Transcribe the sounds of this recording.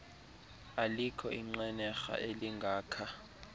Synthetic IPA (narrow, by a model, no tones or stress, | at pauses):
alikʰɔiŋ͡ǀɛnɛxa̰ʔeliŋɡʱaːkʰa